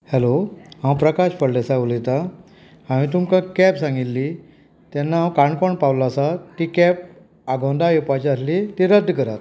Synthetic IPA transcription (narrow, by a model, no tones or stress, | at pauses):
hɛloɦãwpɾəkaɕpəɽlesaulet̪a | ãmĩt̪̬umkãkɛpsãŋɡilːi | t̪ɛnːaãwkaɳkɔɳpawlasat̪ikɛp | aɡõnd̪ajepat͡ɕəslit̪iɾəd̪ʱːkəɾat̪